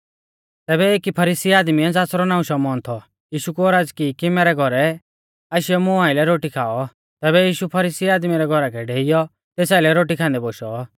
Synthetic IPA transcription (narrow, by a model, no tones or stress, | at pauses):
t̪ɛːbɛeːkipʰɐɾiːsiaːd̪miɛd͡zaːsɾɔnaːũʃɔmɔːnt̪ʰɔ | jiːʃukuɔɾaːd͡zkikimɛːɾɛɡʱɔɾɛ | aːʃɪjɔmʊ̃ãːɪlɛɾoːʈikʰaːɔ | t̪ɛːβɛjiːʃupʰɐɾiːsiaːd̪miɾɛɡʱɔɾakʰɛɖʱeːɪjɔ | t̪eːsaːɪlɛɾoːʈ̬ikʰãːnd̪ɛboːʃɔ